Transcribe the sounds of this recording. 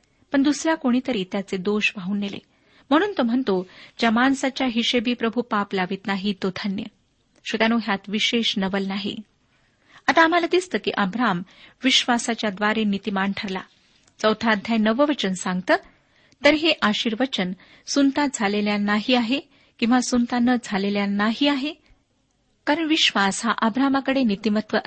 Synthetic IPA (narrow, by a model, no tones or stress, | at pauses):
pəɳd̪usɾjakoɽ̃iːt̪əɾiːt̪jat͡sed̪oɕʋaɦuːnːelḛ | m̤əɽ̃uːnt̪om̤əɳt̪od͡ʑəmansat͡ɕjaɦiɕebiːpɾəbʱupaplaʋiːt̪naɦit̪ot̪ʰənjə̰ | ɕut̪anoɦjat̪ʋiɕeɕnəʋəlnaɦḭ | at̪aːm̤alad̪ist̪əːkḭʔəbɾam | ʋiɕʋasat͡ɕjad̪ʋaɾenit̪imaɳʈʰəɾla̰ | t͡səwt̪ʰaːd̪ʱjanəʋəʋət͡ɕənsaŋɡ̚t̪əː | t̪əɾɦeʔaɕiːɾʋət͡ɕən | sunt̪ad͡zʱaleljanaɦiːaɦe | kĩw̃ʋasunt̪anəd͡zʱaleljanːaɦiaɦe | kaɾəɳʋiɕʋasɦaʔəbɾamakəɽenit̪imət̪ʋəʔ